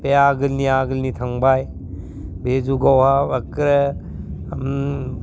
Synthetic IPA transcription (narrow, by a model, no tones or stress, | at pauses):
beaɡɯlniaɡɯlnit̪ʰaŋbaj | bed͡ʒuɡawhabɐkɾə | m